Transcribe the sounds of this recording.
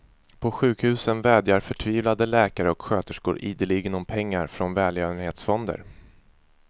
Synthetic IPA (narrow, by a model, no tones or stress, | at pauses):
pʰɔɧʉ̟ːkhʉ̟ːsənvɛːd̪jaɾfœʈʰviːvlad̪əlɛːkaɾəɔkɧøːt̪əʂkṵːɾʔiːd̪əlɪɡənɔmpʰɛŋːaɾfɾɔnvɛːljœːvənheːt̪sfɔnd̪ə̰ɾ